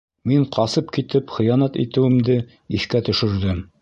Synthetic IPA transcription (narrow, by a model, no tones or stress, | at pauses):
miɴqʰɑsɤp̚kit̪ɘpχɤ̆jɑnɑt̪ḭt̪ɘ̆wɘ̆md̪ɘ | iθkæt̪ɵ̆ʃɵ̆ɾd̪ɘm